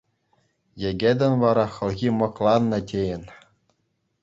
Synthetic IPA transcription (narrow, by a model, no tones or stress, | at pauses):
jɘ̆ɡʲĕd̪ʲɘ̆nʋɑɾɑχɤ̆lˠɣʲimɤ̆klˠɑnːɤ̆tʲejɘ̆n